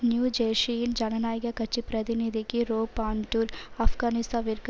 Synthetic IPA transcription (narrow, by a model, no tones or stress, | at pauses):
njuːd͡ʒeːʂijind͡ʒɐnɐnaːjɐɡɐkɐt͡ʃːipɾɐt̪inid̪ʱikiɾoːpaːɳʈuɾɐfɡaːnist̪ãːʋiɾk